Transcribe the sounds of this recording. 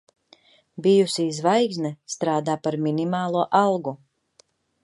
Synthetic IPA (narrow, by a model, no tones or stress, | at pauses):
bijusizvajɡznɛst̪ɾaːd̪aːpaɾminimaːlˠuɔʔalˠɡu